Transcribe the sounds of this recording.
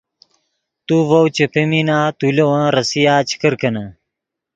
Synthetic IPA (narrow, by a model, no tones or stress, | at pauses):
t̪uvɐwt͡ɕepʰeminaːt̪ulewãːɾɐsijaːt͡ɕi̥kəɾkɐnɐ